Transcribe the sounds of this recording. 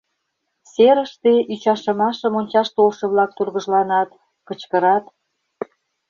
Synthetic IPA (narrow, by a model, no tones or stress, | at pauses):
seɾəʃt̪eyt͡ɕɑʃə̆mɑʃəmonʲt͡ɕɑʃt̪olʃɤ̆βlɑk̚t̪urɣə̆ʒlɑnɑt̪ | kət͡ɕkə̆ɾɑt̪